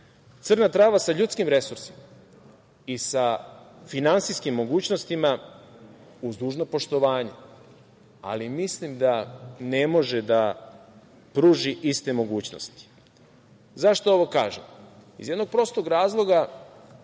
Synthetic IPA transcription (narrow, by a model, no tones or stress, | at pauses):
t̪sɨr̩nat̪ɾaːʋasaʎuːt̪skimɾe̞suɾsi̥ma | isafinansiskimːo̞ɡuːt͡ɕnost̪ima | uzd̪uːʒno̞po̞ʃt̪o̞ʋaːɲe | a̰limislimd̪ane̞mo̞ʒed̪a | pɾuːʒiʔist̪e̞mo̞ɡuːt͡ɕno̰st̪i̥ | zaʃt̪o̞o̞ʋo̞ka̰ːʒemḭzje̞d̪no̞ɡ̚pɾo̞st̪oɡɾaːzlˠo̞ɡa